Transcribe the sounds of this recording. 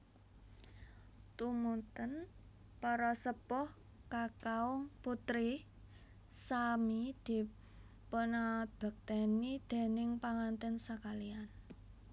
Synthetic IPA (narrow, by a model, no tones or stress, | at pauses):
t̪umunt̪ən | pɔɾɔsəpʊh | kakaʊŋput̪ɾi | samid̪̥i̤ | ponab̥ə̤k̚t̪enid̪̥e̤nɪŋpaŋant̪ɛnsəkalian